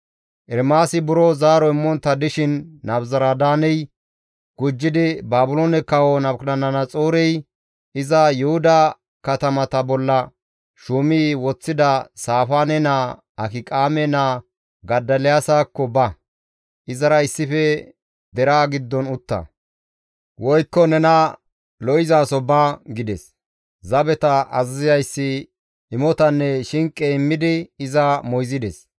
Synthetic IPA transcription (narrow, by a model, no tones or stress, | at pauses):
ʔɛɾmaːsɪbʊɾɔzaːɾɔɪmːɔnt̪ːɐd̪ɪʃɪnːɐbzɐɾad̪aːnɛj | ɡ̥ʊd͡ʒːɪd̪ɪbaːbʊloːnɛkɐwɔnɐbknɐnɐnɐt͡sʼoːɾɛj | ʔɪzɐjɛhʊd̪ɐ | kɐt̪ɐmɐt̪ɐbɔlːɐ | ʃuːmiːwɔt͡sːɪd̪ɐsaːfaːnɛnaː | ʔɐkɪkʼaːmɛnaː | ɡɐd̪ːɐlɛjasaːkːɔbɐ | ʔɪzɐɾɐɪsːɪfɛ | d̪ɛɾaːɡɪd̪ːɔnʊt̪ːɐ̰ | wɔjkːɔnɛnɐ | lɔʔɪzaːsɔbaːɡɪd̪ɛs | zɐbɛt̪ɐʔɐzɪzɪjɐjsːɪ | ɪmɔt̪ɐnːɛʃɪŋkʼːɛɪmːɪd̪ɪɪzɐmɔjzɪd̪ɛs